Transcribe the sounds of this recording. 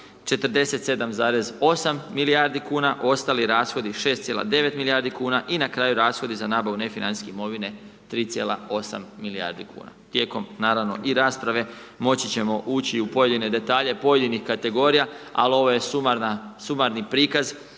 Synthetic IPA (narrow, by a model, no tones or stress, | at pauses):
t͡ʃe̞t̪ɾ̩d̪e̞se̞t̪se̞d̪amzaːɾe̞zo̞samːilijaːɾd̪ikuːnaʔo̞st̪aːliɾaːsxo̞d̪iʃe̞st̪sʲjelˠa̰d̪e̞ʋe̞t̪milijaːɾd̪ikuːnaʔinakɾaːjuɾaːsxo̞d̪izanaːbaʋune̞finansi̥skeimo̞ʋine̞ | t̪ɾiːt̪sje̞ːlˠa̰o̞sa̰mːilija̰ɾd̪ikṵːna̰t̪je̞ːko̞mnaːɾaʋno̞̰ʔiɾaːspɾaʋe̞mo̞t͡ɕit͡ɕe̞mo̞ʔuːt͡ɕiupo̞je̞d̪ine̞d̪e̞t̪aːʎe̞po̞je̞d̪inixkat̪e̞ɡo̞ɾijaa̰lio̞ʋo̞je̞sumaɾnasumaɾnipɾiːkaz